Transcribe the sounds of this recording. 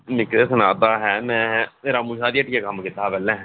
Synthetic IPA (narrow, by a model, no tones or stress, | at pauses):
mɪkɾesənaːd̪aːɦɛːmɛ̃ːɾaːmũʃaːd̪iəʈijakəmkɪt̪ːaːbɛːlɛ̃ː